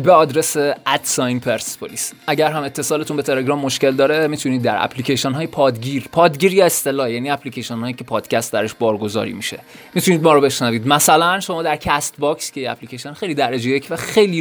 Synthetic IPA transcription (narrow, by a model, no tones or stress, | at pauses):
beɒːd̪ɾe̞seæd̪̥sɒjnpʰeɾspʰoliːsʔæɟæɾɦæme̞t̪ʰːe̞sɒːlet̪ʰunbet̪ʰe̞le̞ɡɾɒːmːoʃce̞ld̪ɒːɾemit̪ʰuniːd̪ːæɾæ̰pʰlicʰeʃenɦɒːjepʰɒːd̪ɟiːɾpʰɒːd̪ɟiːɾjɒest̪e̞lɒːjæːniːæpʰlicʰeʃenhɒːjicʰe̞pʰɒːd̪̥cʰæst̪̚d̪æɾeʃbɒːɾɡo̞zɒ̰ːɾḭmiʃe̞̰mit̪ʰuniːd̪mɒːɾobe̞ʃnæviːd̪mæsælænʃomɒːd̪æɾcʰæst̪bɒkscʰejeæ̰pʰlicʰeʃenxe̞jliːd̪æɾed͡ʒejecʰvæxe̞jliː